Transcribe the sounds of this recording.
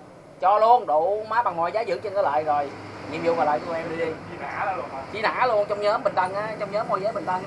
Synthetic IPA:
t͡ɕɔ˧lu˧ənɗu˧˨maː˨˥ɓa˨˩ŋmɔ˨jzaː˨˦zɨ̰˧˩˥t͡ɕə˧nkəː˨˦la̰ː˧˨jzo˨˩jni˨˩mjḭ˧˦wvaː˨˩la̰ː˧˨jkɔ˧ʔɛ˧mɗi˧i˨˦na̰ː˧˥˨t͡ɕi˨˦na̰ː˧˨˥lu˧ənt͡ɕɔ˧wŋ͡mɲəː˨˦mɓï˨˩ŋ̟t̪ʰə˧˩ŋʔaː˨˦t͡ɕɔ˧wŋ͡mɲəː˨˦mːo˧˩jzəː˨˦ɓə˨˩ŋt̪ə˧˩ŋ

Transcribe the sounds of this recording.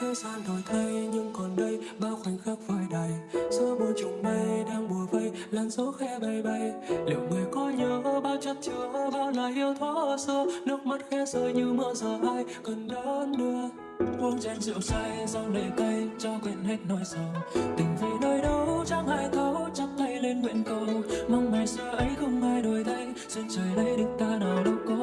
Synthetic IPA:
ki˧wsaː˧nt̪ɔ˨˩jt̪ʰə˧jɲɨ˧ŋkɔ˨˩nɗə˧jɓaː˧wxwa˨˩jŋ̟xa˦˥k̚vaː˨˩jɗa˨˩jzɔ˧ɓo˨˩t͡ɕʊ˨˩ŋ͡mɓə˧jɗaː˧ŋɓu˨˩əvə˧˩jlaː˨˩nzo˨˦xɛ˧ɓə˨˩jɓə˧˩jlḭ˧˨wmə˨˩jkɔ˨˧˦ɲəː˨˩ʔə˧˦ɓaː˧wt͡ɕə˧˥t̚t͡ɕi˨˩əwvə˧˦ɓaː˧wlaː˨˩jhi˧əwt̪ʰwɔ˨˧˦ʔə˧˩sə˧nɨ˦˥ək̚ma˦˥t̚xɛ˧zəː˧˩jɲɨ˧mɨ̰˧˥əzəː˨˩maː˧j | kə˨˩nɗɔ˨˦ə˨˦nɗɨ˧ə | ɓu˧ənt͡ɕe˧nzɨ̰˧˨˩ək̚saː˧jza˧wɗe˨˩t̪ə˧jt͡ɕɔ˧kwi˨˩ənhe˧t̚nɔ˨˧˦jsa˧˩wt̪ï˨˩ŋ̟vi˨˦jnəː˧jɗə˧˦wt͡ɕa˧˥ŋhaː˧˩jk̪ʰɔ˨˦wt͡ɕa˧˥t̚t̪ə˧jle˧nɓwe˧˩nkə˨˧˩ma˧wŋ͡mmɛ˨˩sɨ˧əʔə˨˦jxʊ˧ŋ͡mhaː˧jɗo˨˩jt̪ʰa˧jŋ | ze˧nt͡ɕəː˨˩jɗə˧jɗɨ˨˩ŋ̚t̪aː˧na˨˩wɗə˨˦ŋ͡mkɔ˨˦

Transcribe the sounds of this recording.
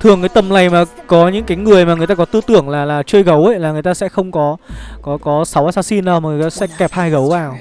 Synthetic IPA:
t̪ʰɨ˨˩əŋkaː˨˦t̪ə˨˩mna˨˩jmaː˨˩kɔ˨˦ɲɨ̰˧˥ŋkaː˨˦jŋɨ˨˩əjmaː˨ŋɨ˨˩əjt̪aː˧kɔ˨˦t̪ɨ˧t̪ɨ̰˧˩əŋlaː˨˩laː˨˩t͡ɕəː˧jɣə˨˦wə˦˧˦laː˨˩ŋɨ˨˩əjt̪aː˧sɛ̰˧˥xə˧wŋ͡mkɔ˨˦kɔ˨˦kɔ˨˦sa˨˦wa˧saː˧si˧nɗəː˧˩waː˨˩˨jt̪aː˧sɛ̰˧˥kɛ˨˩p̚haː˧jɣə˨˦wvaː˨˩w

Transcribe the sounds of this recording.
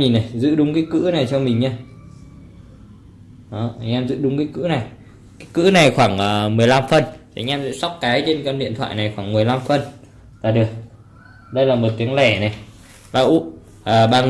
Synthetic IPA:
i˨˩na˨˩jzɨ̰˧˥ɗʊ˨˦ŋ͡mkaː˨˦jkɨ̰˧˥na˨˩jt͡ɕɔ˧mï˨˩ŋ̟ɲaː˧ | ʔɔ˨˦ʔa˧˩ʔɛ˧mzɨ̰˧˥ɗʊ˨˦ŋ͡mkaː˨˦kɨ̰˧˥na˨˩j | kaː˨˦jkɨ̰˧˥na˨˩jxwaː˧˩ŋʔəː˨˩mɨ˨˩əjla˧mfə˨˩nt̪ʰːŋʔaː˧mzɨ̰ː˧˥sa˦˥wk͡p̚kaː˨˦jt͡ɕe˧nkə˧nɗḭ˧˨ənt̪ʰwa̰ː˧˨jna˨˩jxwaː˧˩ŋmɨ˨˩əjla˧mfə˨˩n | t̪a̰ː˧˨˩ɗɨ˨˩ək̚ | ɗə˧jlaː˨˩mo˨˩t̚t̪i˨˦əŋlɛ˧˩na˨˩j | ɓaː˧˩ʔu˦˥ | ʔaː˨˩ɓaː˧

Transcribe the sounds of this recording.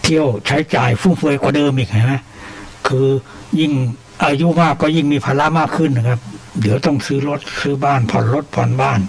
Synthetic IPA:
t̪ʰi˧˥˨əwt͡ɕʰa˦˥jt͡ɕaː˨˩jfuː˧˩fɯ˧˩əjkwaː˧˩dɤː˧mʔiː˨˩k̚ha˧˩jma˦˥ | kʰɯː˧ | ji˧˩ŋ | ʔaː˧˩juː˧˨maː˧˩kːɔː˧˩ji˧˩ŋmiː˧˩pʰaː˧˥la˧˥maː˧˥˩kʰːɯ˧˥˨nːa˧˩kʰa˧˥˩p̚di˨˦əwt̪ɔ˧˥˩ŋsɯː˦˥˩lo˦˧˥t̪̚sɯː˧˥˩baː˧˥˩npʰɔ̰˨˩nlo˦˥t̪̚pʰɔ̰˨˩˦nbaː˧˥˩n

